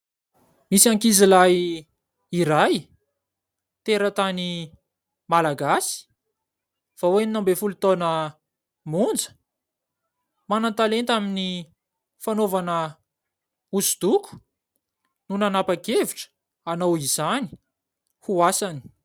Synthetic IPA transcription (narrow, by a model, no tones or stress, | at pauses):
misiaŋkizilaj | iɾaj | t̪eɾət̪ani | malaɡasi̥ | faweninambefulut̪onə | mund͡zə̥ | manant̪alent̪amini | fanovanə | uzud̪ukʰu̥ | nunanapakeviʈ͡ʂə̥ | anowizani̥ | huasani̥